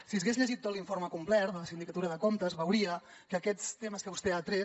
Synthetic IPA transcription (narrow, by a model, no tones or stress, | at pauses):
siəzɣezʎəʒit̪ːot̪liɱfoɾməkumplɛɾd̪ələsind̪ikət̪uɾəðəkomt̪əzβəwɾiə | kəːkɛt͡st̪eməskəβust̪eat̪ɾɛ